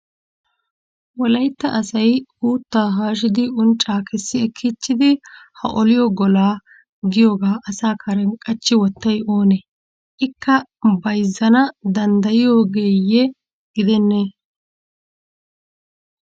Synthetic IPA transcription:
wɔlɐjt̪ːɐʔɐsɐjuːt̪ːaːɦaːʃ̬ɪd̪ɪʊnt͡ʃʼːaːkʰɛsːɪɛkʰːit͡ʃːɪd̪ɪhɐ̰ʔɔlɪjɔɡɔlaː | ɡɪjo̞ːɡaːʔɐsaːkʰɐɾɛŋkʼɐt͡ʃːɪwɔt̪ːɐjo̞ːnɛ | ʔɪkːɐbɐjzːɐnɐd̪ɐnd̪ɐjɪjo̞ːɡeːjɛ | ɡ̥ɪd̪ɛnːe

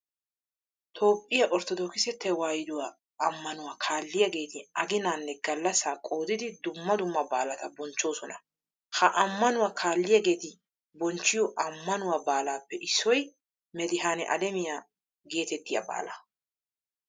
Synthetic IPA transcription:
t̪ʰo̞ːpʼːɪjaʔɔɾt̪ɔd̪ɔːkɪsɛt̪ːɛwaːjɪd̪ʊwaː | ɐmːɐnʊwaːkʰaːlːɪjɐɡe̞ːt̪ɪɐɡɪnaːnːɛɡɐlːɐsaːkʼo̞ːd̪ɪd̪ɪd̪ʊmːɐd̪ʊmːɐbaːlɐt̪ɐbɔnt͡ʃːo̞ːsɔnɐ | hɐʔɐmːɐnʊwaːkʰaːlːɪjɐɡe̞ːt̪ɪ | bɔnt͡ʃːɪjɔʔɐmːɐnʊwaːbaːlaːpːɛʔɪsːɔj | mɛd̪ɪɦaːnɛ̰ʔɐ̰d̪ɛmɪja | ɡe̞ːt̪ɛt̪ːɪja̰ba̰ːlɐ

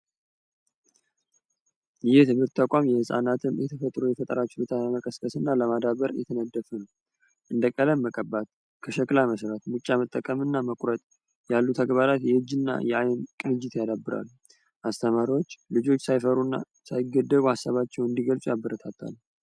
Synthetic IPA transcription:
jɪjɪt̪ʰɨβɨɾt̪ːʰakʷʼamjɛhɨsʼa̰nat̪ʰɨnjɛt̪ʰəfət̪ʼɾujɛfət̪ʼəɾat͡ʃːlut̪ʰaaməkʼəskʼəsɨnːaləmad̪aβəɾjɛt̪ʰənəd̪ːəfun | ʔɨnd̪əkʼələmːəkʼəbat̪̚ | kʰəʃəkʼlaməsɾat̪mut͡ʃʼːamət̪ʼːəkʼəmɨnːaməkʷʼɾət̪ʼ | jalːut̪ʰaɡβaɾat̪jɛɨd͡ʒːɨnːa̰jɛʔajnkʼɨnɨd͡ʒɪt̪jad̪abːɨɾʔa̰lːu | ʔast̪ʰəmaɾiwot͡ʃːlɨd͡ʒo̞t͡ʃːsajfəɾunːa̰ | sajɪɡːəd̪ːəβuhasːaβat͡ʃːɛwɨnd̪iɡəlt͡sʼjabːəɾət̪ʰat̪ʰːa̰lː

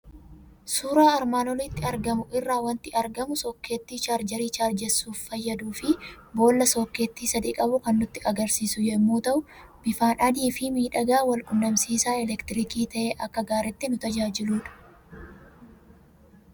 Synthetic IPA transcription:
suːɾaːɾmaːnɔlɪt̪ːɪɐɾɡɐmʊʔɪrːaːwɐnt̪ɪɐɾɡɐmʊsɔkːe̞ːt̪ːiːt͡ʃaːɾd͡ʒɐɾiːt͡ʃaːɾd͡ʒɛsuːfːɐjːɐd̪uːfɪ | bo̞ːlːɐsɔkːeːt̪ːiːsɐd̪iːkʼɐbʊkɐnːʊt̪ːɪʔɐɡɐɾsiːsʊjɛmːuːt̪ɐʔʊ | b̥ɪfaːnʔɐd̪iːfɪmiːᶑɐɡaːwɐlkʼʊnːɐmsiːsaːɛlɛkt̪ɪɾɪkiːt̪ɐʔeːʔɐkːɐɡaːɾɛt̪ːɪnʊt̪ɐd͡ʒaːd͡ʒɪluːᶑɐ̥

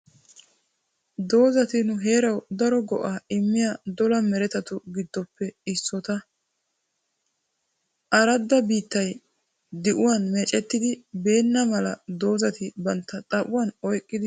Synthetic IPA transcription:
d̪o̞ːzɐt̪ɪnʊɦe̞ːɾɐwd̪ɐɾɔɡɔ̰ʔaːɪmːɪjad̪ɔlɐmɛɾɛt̪ɐt̪ʊɡɪd̪ːɔpːɛɪsːɔt̪ɐ | ʔɐɾɐd̪ːɐbiːt̪ːɐj | d̪ɪʔʊwanmɛt͡ʃʼːɛt̪ːɪd̪ɪbe̞ːnːɐmɐlɐd̪o̞ːzɐt̪ɪbɐnt̪ːɐt̪ʼɐʔʊwɐnɔjkʼːɪd̪ɪ

